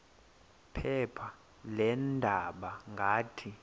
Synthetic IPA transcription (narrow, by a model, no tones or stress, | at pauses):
pʰɛpʰa | lɛndʱaɓaŋɡʱaːtʰi